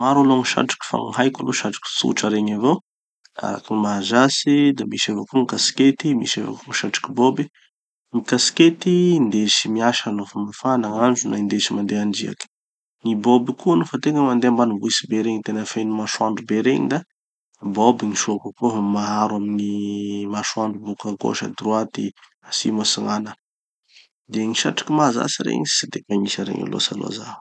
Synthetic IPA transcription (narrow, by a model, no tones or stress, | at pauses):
maɾalomiʃa̰ʈ͡ʂi̥kʲi̥fa̰ŋiɦajkaloʃaʈ͡ʂi̥ki̥sṵʈ͡ʂaɾeɲavow | a̰ɾa̰kinimaazasid̪amiʃevakuŋikasi̥ket̪imḭʃeva̰kuŋiʃaʈ͡ʂi̥kibobi | ŋikasket̪ind̪eʃimiaʃalofamafanaŋand͡ʒunaind̪eʃimand̪eaɳd͡ʒia̰ki̥ | nibobikuanofat̪eŋəmand̪eambanubuisibeɾeɲit̪enəfejnumaʃwaɳɖ͡ʐubeɾeɲḭd̪a | bobiŋiʃokakoɦmaɦaɾwaminimaʃwaɳɖ͡ʐubukaŋko̰ʃa̰d̪ɾuat̪i | asḭmasiŋanə | d̪eŋiʃaʈ͡ʂḁkimaza̰siɾḛɲii̥sid̪ekaɲisəɾḛŋḭlo̰sa̰lo̰zḁ